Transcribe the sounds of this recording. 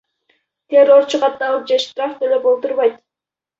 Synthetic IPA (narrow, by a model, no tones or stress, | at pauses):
t̪ʲʰero̞ɾt͡ʃʰuqɑt̪ːɑlˠɯp̚d͡ʒeʃt̪raft̪ʰøløbo̞lˠt̪uɾβɑjt̪